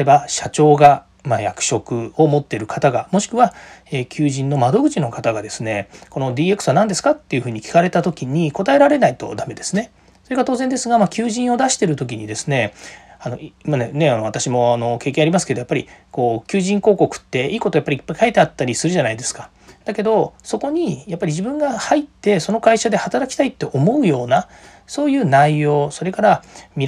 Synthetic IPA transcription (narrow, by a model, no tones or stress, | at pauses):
ebaɕat͡ɕo̞ːɡa | majakɯ̟̥ɕo̞kɯ̟o̞mo̞t̪ːe̞ɾɯ̟kʰat̪aɡamo̞ɕi̥kɯ̟βaeːkʲɨːʑĩnːo̞mad̪o̞ɡɯ̟t͡ɕino̞kat̪aɡad̪e̞sɨne̞ko̞no̞d̪ʲiːe̞kɯ̥sɨβanãnd̪e̞sɨ̥kat̪ːe̞iɯ̟ɸɯ̟ːɲ̟ikʲi̥kaɾe̞t̪at̪o̞kʲiɲ̟iko̞t̪ae̞ɾaɾe̞nait̪o̞̰d̪ame̞d̪e̞sɨne̞ | so̞ɾeɡat̪o̞ːzend̪e̞sɨɡamakʲɨːʑĩɰ̃o̞d̪aɕi̥t̪e̞ɾɯ̟t̪o̞k̬ʲiɲ̟id̪e̞sɨne̞ano̞̰manene̞anoβat̪aɕimo̞ano̞keːkẽaɾʲimasɨ̥ke̞d̪ojapːaɾʲḭko̞ːkʲɨːʑĩŋko̞ːko̞kɯ̟̥t̪ːe̞iːko̞t̪ojapːaɾʲipːaikaet̪e̞at̪ːaɾʲisɨɾɯ̟ʑanaid̪e̞sɨ̥ka | d̪̥ake̞d̪o̞so̞ko̞ɲ̟ijapːaɾʲiʑibɯ̟̃ŋɡahait̪ːe̞so̞no̞kaiɕad̪e̞hat̪aɾakʲi̥t̪ait̪ːe̞ʔo̞mo̞ɯ̟jo̞ːna | so̞ːjɯ̟ːnaijo̞ːso̞ɾe̞kaɾamʲi